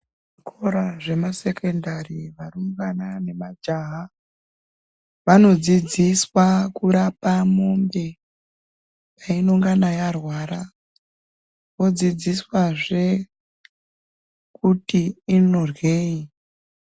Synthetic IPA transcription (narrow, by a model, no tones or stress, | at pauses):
ʐikʰo̞ɾaʐe̞mase̞kʰe̞ndariʋaruŋɡanane̞mad͡ʒaɦa | ʋano̞d͡zid͡ziswakuɾapamo̞mbe̞ | painoŋɡanajarwaːɾa | ʋo̞d͡zid͡ziswaʐe̞ | kutiːno̞rweːi